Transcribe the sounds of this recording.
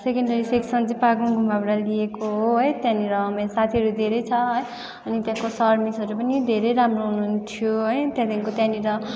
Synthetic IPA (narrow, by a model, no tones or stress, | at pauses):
sekʌɳɖʌɾiseksʌnd͡zipaɡũŋɡʱumbʱabɽaliekoɦoɦʌjt̪jãniɾʌːmesat̪ʰiɦʌɾud̪ʱeɾʌjt͡sʰʌɦʌj | ʌnit̪jãkosʌrmisʌɾupʌnid̪ʱeɾʌjɾamroɦununt̪ʰijoɦʌjt̪jãt̪jãkot̪jãniɾʌ